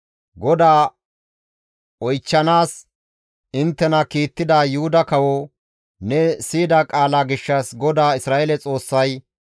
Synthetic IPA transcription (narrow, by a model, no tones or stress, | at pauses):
ɡɔd̪aː | ɔjt͡ʃːɐnaːs | ɪnt̪ːɛnɐkiːt̪ːɪd̪aːjʊhʊd̪ɐkɐwɔ | nɛsiːd̪akʼaːlaːɡɪʃːɐsɡɔd̪aːɪsɾaːʔɛlɛt͡sʼo̞ːsːɐj